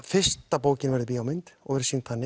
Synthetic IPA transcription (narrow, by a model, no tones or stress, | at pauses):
fɪ̥st̪apoːwcɪnvɛɾðʏp̬iːawmɪnt̪ɔɣvɛɾ̥sint̪θanːɪ